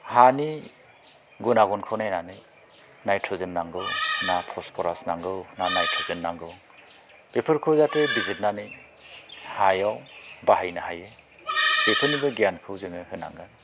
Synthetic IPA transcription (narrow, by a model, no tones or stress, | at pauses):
hani | ɡunaɡɔnkʰɯwnajnanɯj | najtʰɔzenːaŋɡɯwnapʰɔspʰɔɾasnaŋɡɯwnanajtʰɔzɯnːaŋɡɯw | bepʰɯɾkʰɯwzatɯbizit̚nanɯj | hajawbahajnɯhajɯ | bepʰɯnibɯɡjankʰɯwzɯŋɯhɯna̰ŋɡan